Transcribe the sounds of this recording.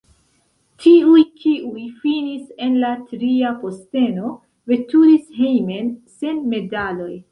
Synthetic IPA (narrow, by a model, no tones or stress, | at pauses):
tʰiujkiʔujfinise̞nlatɾiapo̞ste̞no̞ | ve̞tuɾishejme̞nse̞nme̞dalo̞j